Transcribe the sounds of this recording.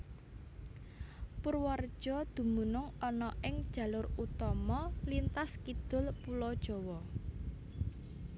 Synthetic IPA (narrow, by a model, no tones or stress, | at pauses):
pərwar̥ʒ̥ɔ̤d̪̥ṳmunʊŋɔnɔʔɪŋd̥ʒ̥ä̤lʊrut̪ɔmɔlint̪askid̪̥ʊ̤lpulɔd̥ʒ̥ɔ̤wɔ